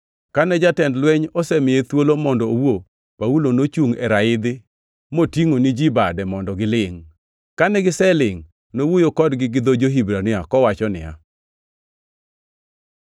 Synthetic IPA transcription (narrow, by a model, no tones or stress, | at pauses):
kanɛd͡ʒatɛndlwɛɲɔsɛmɪjɛt̪wolomɔndɔowo | paulonot͡ʃuŋɛɾaɪd̪ɪ | motiŋonɪd͡ʒibadɛmɔndɔɡɪlɪŋ | kanɛɡɪsɛlɪŋ | nowojokɔdɡɪɡɪd̪od͡ʒoɦibɾanɪakɔwat͡ʃɔnɪ̰ja̰